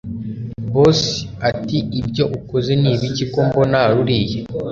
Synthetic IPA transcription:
bosi̥atiibjo̞ʔukozeniːβiciko̞mbo̞naːɾuɾiːje

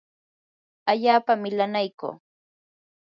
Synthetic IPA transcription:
aʎaːpamɪlanajko̰ː

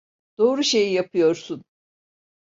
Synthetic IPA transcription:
d̪̥o̞ːɾuʃe̞jijapʰɯjo̞ɾsun

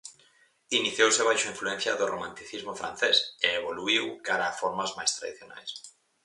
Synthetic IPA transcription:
iniθjowseβ̞ajʃaiɱfluẽnθjaðoromãnt̪iθizmofɾã̰nθeseeβoluiwkaɾaːfoɾmazmajst̪ɾa̰ðiθjona̰js

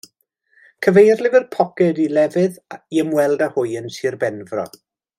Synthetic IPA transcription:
kʰəvejrlˠɪvɪrpʰɔkɛdilɛvɨðiəmwɛlˠdahʊɨənsiːrbɛnvrɔ̰

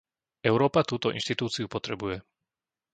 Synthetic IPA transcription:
ɛʊɾɔːpat̪uːt̪ɔʔḭnʃt̪it̪uːt͡siupɔt̪ɾɛbujɛ

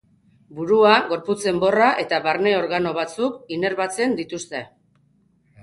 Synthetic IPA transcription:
buɾuaɣo̞ɾput͡se̞mbo̞raʔe̞t̪aβaɾne̞o̞ɾɣano̞β̞at͡sukine̞ɾβat͡se̞nd̪it̪ust̪e̞

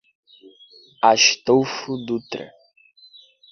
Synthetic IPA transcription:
aʃt̪owfud̪ut̪ɾɐ̰

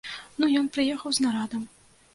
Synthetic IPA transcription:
nujɔnpɾɨjɛxɐwznaɾad̪ɐm

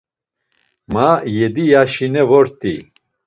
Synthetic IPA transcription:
majɛd̪ijaʃinɛvɔɾt̪ʰʼḭ

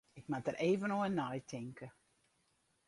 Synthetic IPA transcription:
ɪkmatərʔeːvənoənːɔjtʰɪŋkə

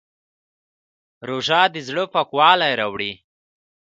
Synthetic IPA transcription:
ɾoʒɑːd̪ɪzɽəpakwɑːlajɾawɽi

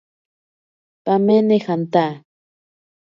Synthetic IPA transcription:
pamenexant̪a

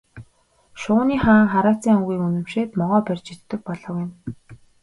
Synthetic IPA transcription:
ʃʊːniːχaːŋχaɾaːt͡siːŋʊɣiːŋunɵ̆mʃeːt̪mɔʁɔːpærʲt͡ɕɪt̪ːɘ̆k̚pɔɮɞ̆wjɪ̆n

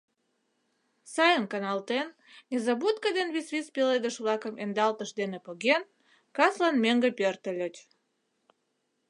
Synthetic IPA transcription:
sɑjənkɑnɑlt̪en | nʲezɑbut̪kəd̪enβisβispeled̪əʃβlɑkəmʔend̪ɑlt̪əʃd̪enepoɣen | kɑslɑnmeŋɡəpørt̪əlʲət͡ɕ

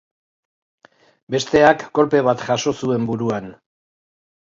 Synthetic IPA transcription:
be̞st̪e̞akːo̞lpe̞βat̪ʝaʃo̞sue̞mbuɾuan

